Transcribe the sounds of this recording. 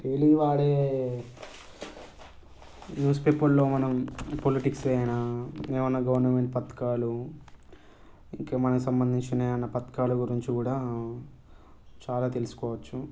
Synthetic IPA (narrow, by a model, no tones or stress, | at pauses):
ʈeːliːʋaːɽe̞ː | njuːspe̞ːpɐlːo̞ːmɐnɐmpoliʈiksʋeːjɐnaːmeːmunːɐɡɐʋɐɾnɐmeɳʈ̚pɐt̪ːɐ̥kaːlu | iŋkeːmɐnɐkusɐmbɐnd̪ʱiɲt͡ʃineːɐnːɐpɐt̪ɐ̥kaːluɡuɾiɲt͡ʃikuːɽaː | t͡ʃaːlaːt̪e̞lusu̥kɔːʋɐt͡ʃːu